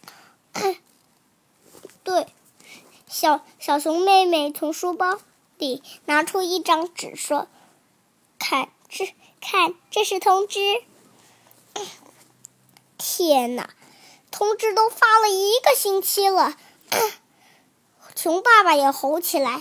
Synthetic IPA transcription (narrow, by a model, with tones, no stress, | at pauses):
t̪we˥˩ɪ | ɕjɑ˨˩ʊɕjɑ˨˩ʊɕʊ˧˥ŋme˥˧ɪme˥˩ɪt͡sʰʊ˧˥ŋʂu˥pɑ˥ʊ | li˨˩na˧˥ʈ͡ʂʰu˥i˥˩ʈ͡ʂɑ˥ŋʈ͡ʂɻ̩˨˩ʂwɔ˥ | kʰa˥˩n | ʈ͡ʂ̩˥ | kʰa˥˩nʈ͡ʂɤ˥˧ʂɻ̩˥˩t̪ʰʊ˥ŋʈ͡ʂɻ̩˥˩ | t̪ʰjɛ˨˩nə̰˩ | t̪ʰʊ˥ŋʈ͡ʂɻ̩˥t̪o˥ʊfa˥lə˨i˧˥ɡə˧ɕi˥ŋt͡ɕʰi˥lə˨˥ | t͡sʰʊ˧˥ŋpa˥˩ba˨˩jɛ˨˩xo˧˥ʊt͡ɕʰi˨˩la˧˥ɪ